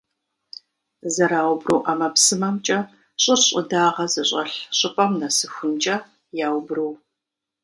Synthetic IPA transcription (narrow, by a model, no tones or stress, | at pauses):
zɐɾaːwbrɨwʔaːmɐpsɨmɐmt͡ʃʼɐ | ɕʼɨɕʼɪdaːʁɐzɐɕʼɐɬɕʼɪpʼɐmnɐsɨxʷʊnt͡ʃʼɐ | jaːwbrɨw